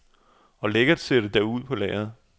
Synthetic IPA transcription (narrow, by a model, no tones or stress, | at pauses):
ɒ̽leɡ̥ɐdˠseɾ̥əd̥æuð̞̰ˠpʰɒ̽lɛ̰ːɐð̩ˠ